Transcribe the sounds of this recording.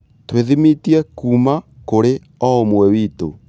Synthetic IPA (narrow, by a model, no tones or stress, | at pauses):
tweðimitiɛkumakoɾe | ɔomwɛwiːto̰